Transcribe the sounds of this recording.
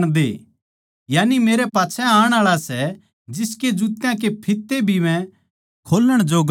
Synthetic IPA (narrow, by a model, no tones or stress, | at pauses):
ɽ̃d̪ḛː | jaːnimeːɾɛpaːt͡ʃʰɛaːəɽ̃aːɭasɛ | d͡ʒɪsked͡ʒuːt̪jãk̬epʰɪt̪ːebʱimɛ̃ | kʰoːləɽ̃d͡ʒoɡ